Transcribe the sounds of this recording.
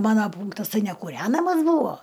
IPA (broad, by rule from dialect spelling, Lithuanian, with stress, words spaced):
ˈmɑːnɐ ˈpuːŋktɐs ˈtɐɪ nʲɛkuːˈrʲæːnɐmɐs ˈbuːʋoː